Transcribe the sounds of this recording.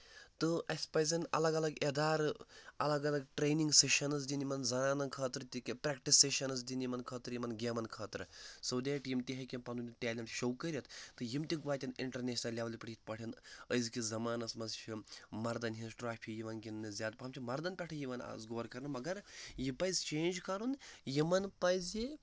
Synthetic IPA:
t̪ɨɐsʲpɐjzinɐ̰lɐɡɐlɐɡed̪aːɾɐlɐɡɐlɐɡʈɾeːniŋɡseʃɐnɐs̬d̪ʲinimɐnzɐnaːnɐnkʰɐːt̪ɾt̪ʲikipɾʲɛːkʈisːeʃɐnɐs̬d̪ʲinimɐnkʰɐːt̪ɾjimɐnɡʲemɐnkʰɐːt̪ɾsɐwd̪eːʈjimt̪iɦɐkʲimpɐnunʲit̪ʲaːlʲimʈʃɐwkɐɾʲɐt̪ʰt̪ɨjimt̪ʲiɡʋaːt̪ʲiniɳʈɐɾnʲeːʃnɐlʲːjaːʋɐlʲipɐʈʰit̪̚ʰpɐʈʰinəjzkizɐmaːnɐsmɐzt͡ʃʰimɐɾd̪ɐnɦinsʈɾaːpʰijiʋɐnkʲinnɨzʲaːd̪̚pɐmt͡ʃʰimɐɾd̪ɐnpʲɛʈʰɐjiʋɐna̰ːsɡoːɾkɐɾnɨmɐɡɐɾjipɐjzt͡ʃeːnʲd͡ʒkɐɾunjimɐnpɐjzji

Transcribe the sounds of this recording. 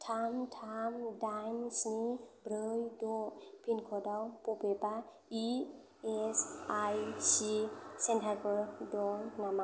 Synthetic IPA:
tʰamtʰamdajmsnibɾɯjdɔpʰinkʰɔdawpupeba | i | esajsisentʰaɡɔɾdɔnama

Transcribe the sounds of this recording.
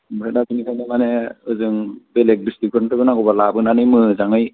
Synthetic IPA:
mɯkʰadazɯnikʰajnamaneɯzɯŋbelek̚bistikɾɯntɯɡɯnaɡɔbalabɯnanɯjmɯzaŋɯj

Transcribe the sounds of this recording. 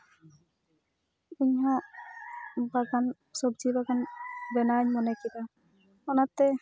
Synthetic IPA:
uɲɦa | baɡan | sɔbzibaɡanbɛnaɲmɔnɛkita | ɔnatːɛ

